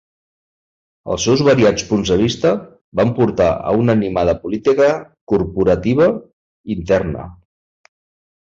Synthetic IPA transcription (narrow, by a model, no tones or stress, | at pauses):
ə̰lˠsɛwzβəɾiat͡spunzðəβ̞ist̪ə | bampuɾt̪a̰ə̰unənimað̞əpulit̪ikəkurpuɾət̪iβ̞ə | int̪ɛrnə̰